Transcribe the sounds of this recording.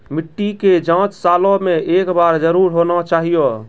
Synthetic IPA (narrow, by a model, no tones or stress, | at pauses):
miʈːiked͡ʒãt͡ʃsalɔ̃meʔekbaɾd͡ʒəɾuɾɦonat͡ʃaɦijo